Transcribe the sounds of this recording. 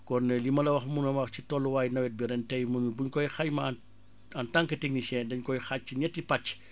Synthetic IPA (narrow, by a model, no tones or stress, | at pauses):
kɔnlimɐlɐwɐxmunɐmaxt͡ʃitɔlːuwaːjnɐwɛt̚biɾɛntɛjmunubuɲkɔjxajman | ɐntaŋkəteɡnisɛndɐɲkɔjxat͡ʃːiɲɛtːipɐt͡ʃː